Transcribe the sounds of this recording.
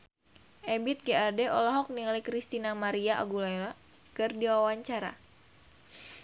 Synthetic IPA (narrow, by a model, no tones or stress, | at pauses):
ʔɛbit̪̚ɡeadɛʔɔlɔɦɔk̚niŋlikɾist̪inamaɾiaʔa̰ɡulaɾa | kɨrdiwawaɲt͡ʃaɾa̰